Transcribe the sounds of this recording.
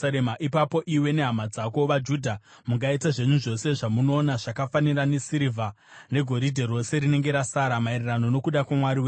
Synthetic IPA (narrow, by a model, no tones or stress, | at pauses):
ɾemaʔipapo̞ʔiwe̞ne̞ɦamad͡zako̞ʋad͡ʒudʱa | muɡaitaʐe̞ɲuʐo̞se̞ʐamuno̞ːnaʐakafanirane̞siɾivʱa | ne̞ɡʱo̞ɾidʱeɾo̞se̞ɾine̞ŋɡe̞ɾasaɾamairirano̞no̞kuɗakwamwaɾiwe